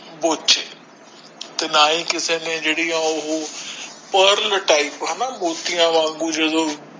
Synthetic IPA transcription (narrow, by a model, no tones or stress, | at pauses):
boːt͡ʃeː | t̪enaːĩːkɪsenẽd͡ʒeːɽijãʊɦo | pəɾlʈaːɪpɦɛːnaːboːt̪ijãːʋãːŋɡũd͡ʒeːd̪oː